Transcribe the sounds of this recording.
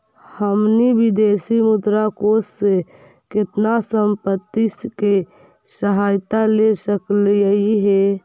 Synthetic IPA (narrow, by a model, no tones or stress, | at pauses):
həmnibid̪eːsimʊd̪ɾakoːsːe | kɪt̪nasəmpət̪ːiske | səɦaːjt̪alesəkliəiɦɛ